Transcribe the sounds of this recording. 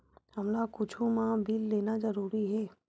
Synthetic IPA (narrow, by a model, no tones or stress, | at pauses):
hɐmlakʊt͡ʃʰũmãbʱilːeːnazɐɾuːɾiɦɛː